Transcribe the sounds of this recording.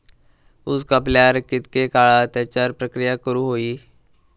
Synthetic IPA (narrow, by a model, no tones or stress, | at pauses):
uskəpljaɾkit̪kekaɭat̪ɛt͡ɕaɾpɾəkɾijakəɾuɦoiː